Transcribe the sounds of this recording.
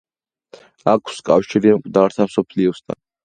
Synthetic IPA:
akʰskʼafʃiɾiamkʼd̪aɾt̪ʰamsɔpʰliɔst̪ʰa̰n

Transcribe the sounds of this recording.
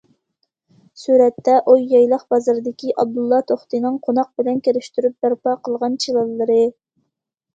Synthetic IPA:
suɾɛt̪ːɛʔujɑjlˠəχbɑzɨɾd̪ɪkʲʰiʔɑb̚d̪ulˠːɑt̪ʰoχt̪ɨnɨŋqʰonɑq̚bɪlɛnkʲeɾɪʃt̪yɾyp̚bæɾpɑqʰəlˠʁɑnt͡ʃʰilˠɑlˠːəɾɨ

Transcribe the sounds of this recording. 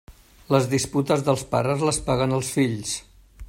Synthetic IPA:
ləzðisput̪əzðəlˠspaɾəzləspaɣənəlˠsfiʎs

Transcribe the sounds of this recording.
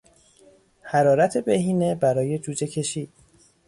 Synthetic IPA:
hæɾɒːɾæt̪ʰe̞behiːne̞bæɾɒːje̞d͡ʒuːd͡ʒe̞cʰe̞ʃiːd̪̥̚

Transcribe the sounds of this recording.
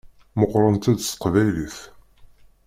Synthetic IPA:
məqːɾˤənt̪æd̪sqvæjliθ

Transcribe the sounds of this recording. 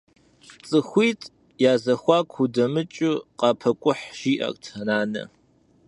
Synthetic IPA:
t͡sʼɨxʷiːtʼ | jaːzɐxʷɑːkʷʰudɐmɨt͡ʃʼʊqɑːpʰɐkʷʼʊħʒ̥iːʔɐ̰kʼtʰɐnaːnɐ̰

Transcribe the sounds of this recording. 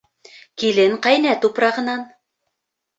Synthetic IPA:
kilɘŋqɑjnæt̪upɾɑʁɤ̆nɑn

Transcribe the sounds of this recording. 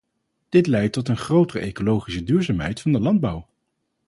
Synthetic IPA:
d̥ɪtlɛjtːɔtənχrowtərəʔejkolowχisədyːɹzaːmɦɛjtfɑndəlɑnd̚bɑw

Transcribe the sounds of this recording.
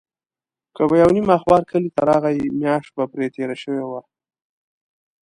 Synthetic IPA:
kəbajawnimaxwɑɾkʰəlit̪aɾɑɣajimjɑʃt̪̚bapɾet̪eɾaʃəwewa

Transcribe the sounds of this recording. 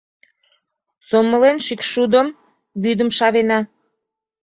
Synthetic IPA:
somːəlenʃikʃud̪əm | βyd̪əmʃɑβenɑ

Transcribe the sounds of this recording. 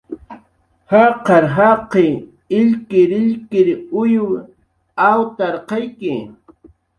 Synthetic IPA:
hɑqɑɾɦɑqe | ɪʎkɪɾɪʎkɪɾʊjʊ | awt̪aɾqɑjkɪ

